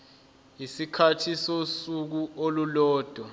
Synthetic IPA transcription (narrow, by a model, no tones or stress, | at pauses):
isikʰatʰisosuk̬uolulɔːd̥ʱwa